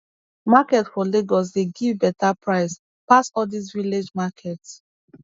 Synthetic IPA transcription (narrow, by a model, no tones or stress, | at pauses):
makɛtfɔleɡɔs̬deɡivbɛtapɹaɪs | pasɔdis̬viled͡ʒmakʰɛts